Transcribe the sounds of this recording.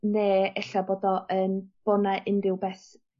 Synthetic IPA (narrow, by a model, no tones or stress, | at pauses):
neːɛɬaboːdɔʔənb̥ɔnaʔɪndɪwbɛs